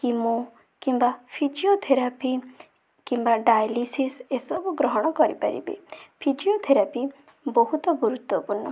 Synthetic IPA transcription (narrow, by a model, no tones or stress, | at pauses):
kimo | kimbapʰid͡ʒiot̪ʰeɾapi | kimbaɖajlisisesɔbuɡɾɔɦɔɽ̃ɔkɔɾḭpaɾḭbḛpʰid͡ʒiot̪ʰeɾapi | bɔɦut̪ɔɡuɾut̪wɔpuɾnɔ